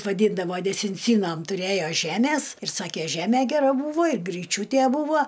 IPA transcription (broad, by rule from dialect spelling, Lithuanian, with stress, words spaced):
ʋɐˈdʲiːndɐʋoː dʲɛsʲɪnʲˈt͡sʲiːnoːm tʊˈrʲeːjoː ˈʒʲæːmʲeːs ɪr ˈsɑːkʲeː ˈʒʲæːmʲɛ ɡʲɛˈrɐ ˈbuːʋoː ɪr ɡrʲiːˈt͡ʃʲuːtʲeː ˈbuːʋoː